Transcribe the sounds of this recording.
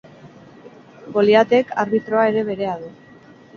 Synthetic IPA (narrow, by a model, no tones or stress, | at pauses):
ɡo̞liat̪e̞kaɾβit̪ɾo̞ae̞ɾe̞βe̞ɾe̞aðu